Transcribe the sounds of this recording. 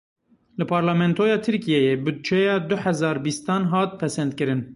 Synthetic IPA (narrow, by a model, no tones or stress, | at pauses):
lɨpʰɑːɾlɑmɛnt̪ʰoːjɑːt̪ʰɨɾkijɛjebɨd̪̚t͡ʃʰɛjɑːd̪ʊħɛzɑːɾbist̪ɑːnɦɑːt̪̚pʰɛsɛnd̪kɨɾɨn